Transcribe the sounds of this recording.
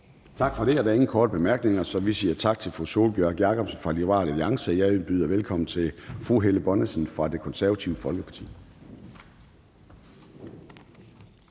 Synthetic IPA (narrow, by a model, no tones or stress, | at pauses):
t͡sʰɑ̈ɡ̥fɒ̽ɾ̥e̝æɐɾæe̝ŋn̩kʰɒːdəb̥e̝mæɐɡ̥ne̝ŋɐsɒ̽ʋisiːɐt͡sʰɑ̈ɡ̥̚t͡sʰe̝lfʁuso̝ːlb̥jœɐ̰ɡ̥jæɐkʰɒ̽b̥sfʁɑ̈lioʁɑ̰̈ːlæliɑ̈ŋsəjɑ̈ɪb̥yːðˠɐʋelkʰɒ̽mn̩t͡sʰe̝fʁuɦeləb̥ɒ̽nəsn̩fʁɑ̈d̥e̝kʰɒ̽nsæɐʋæt͡sʰiʊəfɒ̽lɡ̥əpʰɑ̥̈t͡sʰḭː